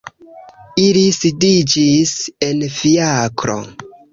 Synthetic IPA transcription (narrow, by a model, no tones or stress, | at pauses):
ilisidid͡ʒise̞nfiakɾo̞̰